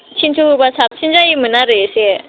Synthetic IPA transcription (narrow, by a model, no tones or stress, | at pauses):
t͡ɕʰint͡sʰuupasʰap̚t͡ɕʰind͡ʑajiminaɾeɕɛ